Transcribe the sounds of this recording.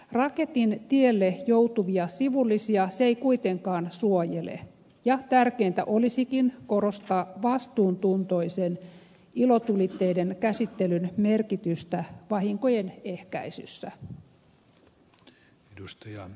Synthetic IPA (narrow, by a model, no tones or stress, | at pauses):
rɑke̞t̪int̪ielːejout̪uʋiɑsiʋulːisiɑseikuit̪eŋkɑːnsuojelḛ | jɑt̪ærkeːnt̪æ̰ʔo̞lisikinko̞ɾo̞st̪ɑʋɑst̪uːnt̪unt̪o̞isen | ilo̞t̪ulit̪ːe̞idenkæsit̪ːelynme̞rkit̪yst̪æʋɑɦiŋko̞jene̞hkæ̰isy̰sːæ | edust̪ɑjɑ